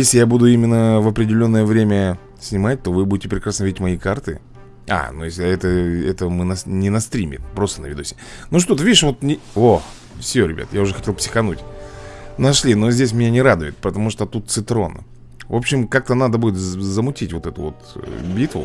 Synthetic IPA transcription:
jesʲlʲɪjabud̪ʊimʲɪnːəvɐpɾʲɪdʲɪlʲo̞nːəjəvɾʲemʲə | sʲnʲɪmat̚ʲt̪o̞vɨbudʲɪtʲɪpɾʲɪkɾasnəvidʲɪtʲmɐikart̪ɨ | a̰nujesʲlʲɪɛt̪əɛ̰t̪əmɨnɐnʲɪnɐst̪ɾʲimʲɪ̰t̪pɾo̞st̪ənəvʲɪd̪ʲusʲɪnuʂ̬t̪o̞t̪əvʲidʲɪʂvo̞t̪nʲɪox | fsʲoɾʲɪbʲa̰t̪jaʊʐɛxɐtʲe̞lˠpsʲɪ̥xɐnutʲ | nɐʂlʲino̞zʲdʲes̬ʲmʲɪnʲanʲɪɾad̪ʊjɪt̪̚pət̪ɐmuʂt̪ot̪ut̪̚sɨt̪ɾo̞̰n | vo̞pɕːɪmkak̚t̪ənad̪əbudʲɪt̪zəmʊtʲitʲvo̞t̪ɛt̪ʊvo̞̰t̪bʲit̪vʊ̰

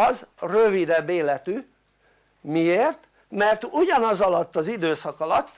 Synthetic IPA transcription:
ɒzrøvid̪ɛbːeːlɛt̪y | mieːrt̪ | mɛrt̪uɟɒnɒzɒlɒt̪ːɒzid̪øːsɒkɒlɒt̪ː

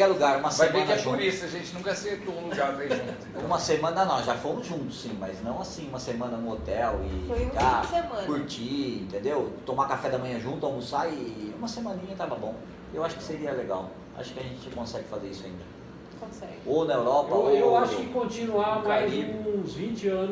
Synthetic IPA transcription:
kɛɾluɡaɾũmɐsvavẽnɐʒuɾisɐʒẽnt͡ʃɪnũkɐɛset̪ũluɡaɾmẽʒũt̪ũmɐsemɐ̃nɐnɐ̃ʒafomʊzʒũnt̪ʊ̥sːĩmɐjznɐ̃w̃asĩũmɐsemɐ̃nɐnʊ̃ot̪ɛwɪ̰fojũaɐsemɐ̃kuɾt͡ʃiẽnt̪ẽnd̪ewt̪õmakafɛd̪ɐmɐ̃jɐ̃ʒũt̪ʊamʊsaɪũmɐsemɐ̃nĩɲɐt̪avɐbõw̃ | ewaʃʊ̥kɪ̥seɾiɐleɡa̰w | a̰ʃʊ̥kɪɐʒẽnt͡ʃɪkõsɛɡɪfazeɾisʊa̰ĩnd̪ɐ | kõsɛɡɪonɐewɾɔpɐoewaʃʊkɪkõnt͡ʃĩnuamajzũzvĩt͡ʃɪɐ̃nʊ

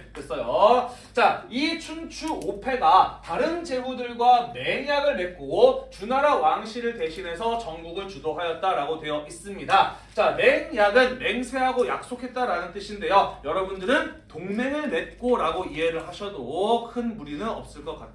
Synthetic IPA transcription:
kʌs͈ʌjo | t͡ɕait͡ɕʰunt͡ɕʰuopʰe̞ɡataɾɯnd͡ʑe̞budɯɭɡwane̞njaɡɯɭne̞t̚k͈oɡot͡ɕunaɾawaŋɕʰiɾɯɭte̞ɕʰinɦe̞sʰʌt͡ɕʌŋɡuɡɯɭt͡ɕudoɦajʌt̚t͈aɾaɡotwe̞jʌʔis͈ɯmɲida | t͡ɕane̞njaɡɯnme̞ŋsʰe̞ɦaɡoja̰k̚s͈okʰe̞t̚t͈aɾanɯnt͈ɯɕʰinde̞jojʌɾʌbundɯɾɯntoŋne̞ŋɯɭne̞t̚k͈oɾaɡoiɦe̞ɾɯɭɦaɕʰʌdokʰɯnmuɾinɯnʌp̚s͈ɯɭk͈ʌk͈at̚ʰ

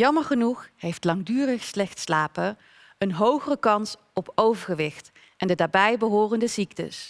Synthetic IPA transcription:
jɑməɹχənuχɦejftlɑŋdyːrəχslɛχtslaːpə | ənɦowχərəkɑns | ɔpowvəɹχəʋɪχt | ɛndədaːɹbɛjbəɦʊːrəndəziktə̰s

